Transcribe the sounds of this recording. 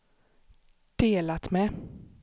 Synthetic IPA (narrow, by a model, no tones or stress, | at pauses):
d̪̥eːlat̪mɛ